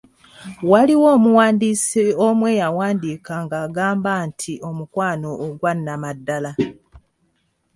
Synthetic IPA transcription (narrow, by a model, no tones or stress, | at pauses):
waliwoːmuwaːndisiomwe̞ːjawaːndiːkaŋɡaːɡaːmbaːntʰiʔo̞mukwaːno̞ʔːɡwanːamadːala